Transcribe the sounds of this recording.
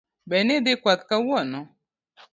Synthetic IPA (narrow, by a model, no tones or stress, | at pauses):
bɛnɪd̪ɪkʷat̪kawɔnɔ